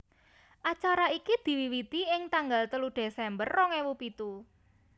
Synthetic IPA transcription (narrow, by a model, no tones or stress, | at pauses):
ʔat͡ʃaɾaikid̪̥i̤wiwit̪iɪŋt̪aŋɡalt̪əluɖ̪̥esɛmbərːɔŋewupit̪u